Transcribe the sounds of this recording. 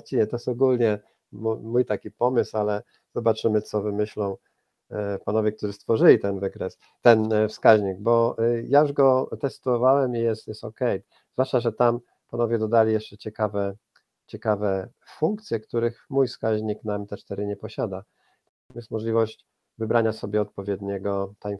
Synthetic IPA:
t͡ɕiɲɛt̪ɔjɛst̪ɔɡulɲɛ | mumujt̪akʲipɔmɘsalɛ | z̥ɔbat͡ʂɘmɘt̪sɔvɘmɘɕlɔ̃w̃ | panɔvʲjɛk̚t̪uʐɘst̪fɔʐɘlʲit̪ɛnvɘkɾɛs | t̪ɛnfskaʑɲiɡ̚bɔjajuʐɡɔt̪ɛst̪ɔvawɛmijɛst̪jɛsɔkɛj | zvwaʂt͡ʂaʐɛt̪am | panɔvʲjɛd̪ɔd̪alʲijɛʂt͡ʂɛt͡ɕɛkavɛ | t͡ɕɛkavɛ | fuŋkt̪sʲjɛkt̪uɾɘxmujfskaʑɲiknamt̪ɛt͡ʂt̪ɛɾɘɲɛpɔɕad̪a | t̪ | jɛst̪mɔʐlʲivɔɕt͡ɕ | vɘbɾaɲasɔbʲjɛɔt̪̚pɔvʲjɛd̪ɲɛɡɔt̪a

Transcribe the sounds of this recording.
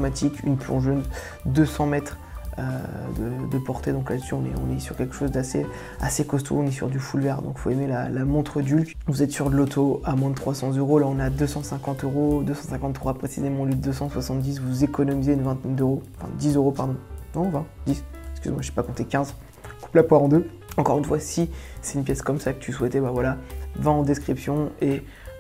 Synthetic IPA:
mat̪ʰiky̰nplɔ̃ʒøn | d̪øsɑ̃mɛt̪χ | ø̰d̪əd̪əpɔʁt̪ed̪ɔ̃klad̪əsyɔ̃nɛ̰ɔ̰̃nɛsyʁkʲɛlkə̥ʃozd̪asḛ | a̰sekɔst̪ʰo̰ɔ̃nɛsy̰ʁd̪yfulvɛʁd̪ɔ̃kfoemelalamɔ̃t̪χəd̪ylk | vuzɛt̪syʁd̪əlot̪ʰoamwɛ̃d̪ət̪χwasɑ̃zøʁolaɔ̃nad̪øsɑ̃sɛ̃kɑ̃t̪øʁod̪øsɑ̃sɛ̃kɑ̃t̪ːχwapχesizemɑ̃lid̪d̪øsɑ̃swasɑ̃t̪̚d̪is̬vuzekɔnɔmizeynvɛ̃t̪ɛnd̪øʁõfɛ̰̃d̪isøʁopaʁd̪ɔ̃nɔ̃vɛ̃d̪isɛskʲyzemwaʒepakɔ̃t̪ekʲɛ̃z | ku̥plapwaʁɑ̃d̪ø | ɑ̃kɔʁynfwasisɛt̪ynpjɛskɔmsakə̥t̪yswɛt̪ɛbavwalavɛ̃ɑ̃d̪eskχipsjɔ̃e

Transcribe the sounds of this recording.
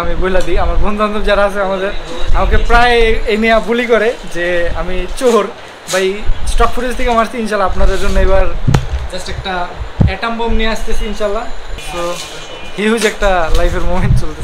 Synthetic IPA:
amiboɦilad̪iamaɾbɔnd̪ʱand̪ʱobd͡ʑaɾaasʰeamad̪eɾamakepɾaeejnijabulikɔɾed͡ʑeamit͡ɕoɾ | bajsʈɔk̚fʰuɾʈest̪ʰikamast̪iinʃalːaapnaɾeɾd͡ʑonːejbaɾd͡ʑasʈɛk̚ʈaɛʈambomnijeast̪esʰiinʃaːlːast̪o | ɦiɦud͡ʑɛk̚ʈalajpʰeɾmomeɳʈt͡ʃolt̪e

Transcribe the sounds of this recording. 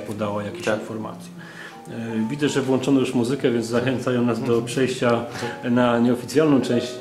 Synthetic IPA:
pɔd̪awajakʲeɕinfɔɾma̰t̪sʲjɛ | vʲid̪ɛʐɛvwɔnt͡ʂɔnɔjuʂmuzɘkɛvʲjɛnd̪zaxɛnt̪sajɔ̃w̃nazd̪ɔpʂɛjɕt͡ɕanaɲɛɔfʲit̪sʲjalnɔ̃w̃t͡ʂɛ̃w̃ɕt͡ɕ

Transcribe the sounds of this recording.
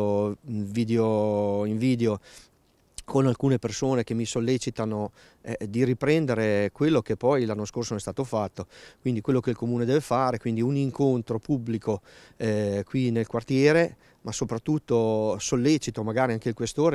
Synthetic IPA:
oviːd̪eoiɱviːd̪eo | kʰonalkuːnepersoːnek̟emːisolːet͡ʃit̪ano | ɛd̪iripɾɛnd̪eɾekwelːokepːɔjlanːoskorsonnɛst̪aːt̪ofat̪ːokwind̪ikwelːokeilkomuːned̪ɛːvefaːɾekwind̪iuniŋkont̪ɾopublikʰo | ɛkwinelkwart̪jɛːɾe | masopɾat̪ːut̪ːosolːet͡ʃit̪omaɡaːɾiaŋkeilkwest̪oːɾe

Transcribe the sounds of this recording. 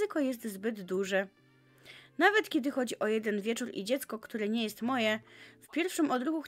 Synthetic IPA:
ɘkɔjɛst̪zbɘd̪ːuʐɛ | navɛt̪kʲɛd̪ɘxɔd͡ʑiʔɔjɛd̪ɛnvʲjɛt͡ʂuɾḭd͡ʑɛt̪skɔkt̪uɾɛɲɛjɛst̪mɔjɛfpʲjɛɾfʂɘmɔd̪ɾuɡux

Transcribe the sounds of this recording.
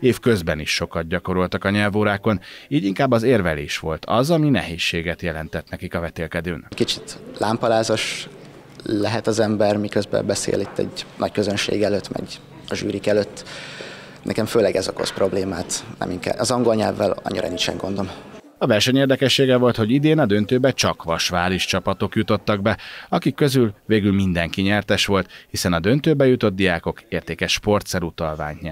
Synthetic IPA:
eːfkø̞zbɛniʃːo̞kɒd̪̚ɟɒko̞ɾolt̪ɒkɒɲɛlvoːɾaːko̞niːɟiŋkaːbːɒzeːrvɛlḛːʃʋo̞lt̪ʰɒ̰zɒminɛ̰ɦeːʃːeːɡɛt̪jɛlɛnt̪ɛt̪nɛkikɒvɛt̪eːlkɛd̪øːnckit͡ʃi̥t̪laːmpɒlaːzoʃ | lɛɦɛt̪ɒzɛmbɛrmikøzbɛ̰bɛsḛːlit̪ʰːɛ̰ɟnɒckøzønʃḛːɡɛløːt̪ːmɛ̰ɟ | ɒʒyːɾikɛløːt̪ː | nɛkɛɱføːlɛɡɛzoko̞̰spro̞bleːmaːt̪nɛ̰miŋkɛ̰ɒzɒŋɡo̞lɲɛ̰lvːɛlɒ̰ɲːiɾɒ̰ninʃɛ̰ŋɡo̞nd̪om | ɒvɛrʃɛɲeːrd̪ɛkɛʃːeːɡɛvo̞lt̪ho̞ɟid̪eːnɒd̪ø̞nt̪øːbɛt͡ʃɒkʋɒʃʋaːliʃt͡ʃɒpɒt̪o̞kjut̪o̞t̪ːɒɡ̚bɛɒkikːø̞zylveːɡylmind̪ɛŋkiɲɛrt̪ɛʃʋo̞lt̪hisɛnɒd̪ønt̪øːbɛjut̪o̞d̪̚d̪ijaːko̞keːrt̪eːkɛʃpo̞rt̪sɛɾut̪ɒlva̰ːɲt̪ɲɛ

